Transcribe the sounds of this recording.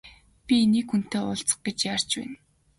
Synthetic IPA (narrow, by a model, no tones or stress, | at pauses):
pʲiniːkxun̥t̪eːʊɮt͡sə̥̆χ̚ɡet͡ɕjar̥t͡ɕpæ̰ːn